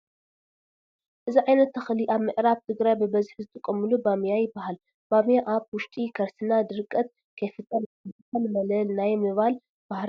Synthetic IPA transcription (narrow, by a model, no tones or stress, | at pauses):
ʔɨziʕajnɐt̪ːɐxliʔaβmɨʔɾaβt̪ʰɨɡɾajbɨbɐzħzɨt̪ʰʼɨkʼːɐmɨlubamijajɪbːahal | b̥amijaʔaβwʊʃt̪ʼikʰɐɾsɨnad̪ɨɾɨkʼːɐt̪̚ | kʰɐjfɨt̪ʼːɐlɨt̪ʰʼɐlmɐlɐlnajmɨβal | b̥ahɾ